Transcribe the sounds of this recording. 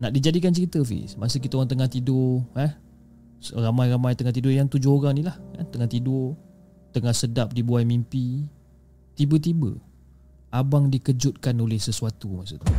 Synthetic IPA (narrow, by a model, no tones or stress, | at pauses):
naʔdid͡ʒadikant͡ʃəɾit̪əfḭsmasək̬it̪aoɾaŋt̪əŋaht̪idʊhɛ | ramajramajt̪əŋaht̪idʊjaŋt̪ud͡ʒʊɦoɾaŋnilahka̰nt̪əŋaht̪idʊ | t̪əŋahsədap̚dibuajmimpi | t̪ibət̪̬ibə̰ | abaŋdikəd͡ʒʊt̪̚kanolɛhsəsuat̪umasut̪u